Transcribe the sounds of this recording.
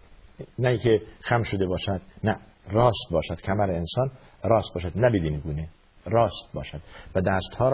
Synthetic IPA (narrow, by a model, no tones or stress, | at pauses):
næiŋkʰexæmʃod̪ebɒːʃæd̪̥næ | ɾɒːst̪̚bɒːʃæd̪̥kʰæmæɾeensɒːn | ɾɒːst̪̚bɒːʃæd̪næbid̪iːneɡuːne | ɾɒːst̪̚bɒ̰ːʃæd̪̥væd̪æːst̪hɒːɾ